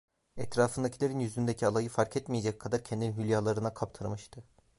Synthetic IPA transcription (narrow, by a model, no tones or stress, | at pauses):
ɛt̪ɾaːfɯnd̪acʰilʲeɾinjyzynd̪eɛcʰialˠajɯfaɾcʰɛt̪mijed͡ʒɛc̚kʰːad̪aɾcʰɛnd̪innɦylʲjaːlˠaɾɯnakʰapt̪ʰɯɾmɯʃt̪ʰɯ